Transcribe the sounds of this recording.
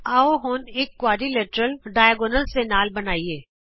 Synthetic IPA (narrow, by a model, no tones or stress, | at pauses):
aːoɦoːneːkːwaːɖileːʈɾəlɖaːjəɡoːnəlsenaːlbɐnaːieː